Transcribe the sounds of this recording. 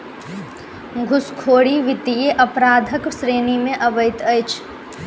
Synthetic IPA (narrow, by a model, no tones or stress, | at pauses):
ɡʱʊskʰoːɽiʋɪt̪ijeʔɐpɾaːd̪ʱəkʃɾeːnimẽʔɐbəɪt̪ɐjt͡ʃʰ